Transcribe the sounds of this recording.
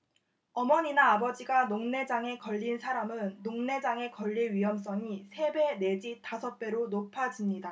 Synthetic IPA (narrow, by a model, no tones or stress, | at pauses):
ʌmʌɲinaːbʌd͡ʑiɡanoŋne̞d͡ʑaŋe̞kʌʎːinsʰaɾamɯnːoŋne̞d͡ʑaŋe̞kʌʎːiɥiɦʌms͈ʌŋisʰe̞be̞ne̞d͡ʑitasʰʌp͈e̞ɾonopʰad͡ʑimɲida